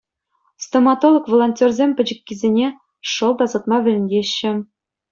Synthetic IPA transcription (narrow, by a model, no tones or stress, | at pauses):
st̪omɑt̪olˠŏkʋolˠonʲtʲerzʲemʲpʲɘ̆d͡ʑɘ̆kʲːizʲenʲe | ʂɤ̆lˠd̪ɑzɤ̆t̪̚mɑʋʲɘ̆lʲɘ̆nʲɡʲeɕːɘ̆